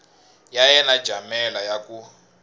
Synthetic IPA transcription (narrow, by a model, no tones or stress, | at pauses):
jajɛnad̥ʒ̥ʱamɛlajakʼu